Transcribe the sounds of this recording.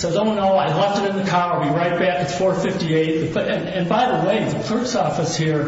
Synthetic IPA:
soʊdõʊ̃nːoʊaɪlɛftɨɾɨ̃nðɨkʰɑʊə˞biɹaɪt̚b̥ækɨtsfɔɹfɪftieɪt̚ðɨɨ̃nɨ̃nbaɪðəweɪðɨkʰl̥ɜ˞ksɔfɨshiɹ

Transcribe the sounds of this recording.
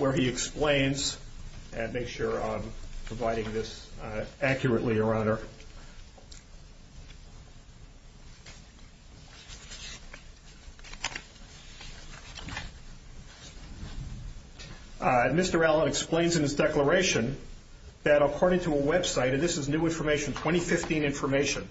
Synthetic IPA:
wə˞iɨksplẽɪ̃nz̥ | ɨ̃nmeɪksʃʊɹʌvpʰɹ̥əvaɪɾɪ̃ŋðɪs | ækʰjə˞ɨʔˡliə˞ãʊ̃ndə˞ | mɪstə˞ælˠə̃nɨksplẽɪ̃nzɨ̃nɨzdɛklə˞eɪʃɨ̃n | ðɨɾəkʰɔɹɾɪ̃ŋtʰəəwɛb̥saɪɾɨ̃nðɪsɨznʉɪ̃ɱfə˞meɪʃn̩tʰw̥ɛ̃ɾ̃ifɪftĩnɪ̃ɱfə˞meɪʃɨ̃n

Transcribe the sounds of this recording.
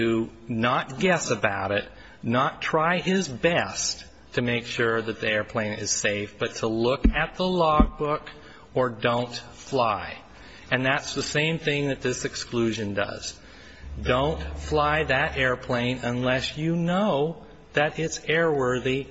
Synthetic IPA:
ɨnət̚ɡ̥ɛsɨbaʊɾɪt | nətʰɹ̥aɪɪzbɛstʰ | ɨmeɪkʃʊɹðɨt̪̚ðiɛɹpʰl̥ẽɪ̃nɪ̰z̥seɪfb̥ʌtʰəlʊkɨt̪̚ðəlɔɡ̚bʊk | ə˞dõʊ̃nt | flaɪ | ɨ̃nðætsðəsẽɪ̃mθɪ̃ŋðɨt̪̚ðɪsɨksklʉʒɨ̃ndʌ̰z̥ | dõʊ̃ntflaɪðɨɾʔɛɹpʰl̥ẽɪ̃nə̃nlɛsjɨnoʊ | ðɨɾɪtsɛɹwɜ˞ði

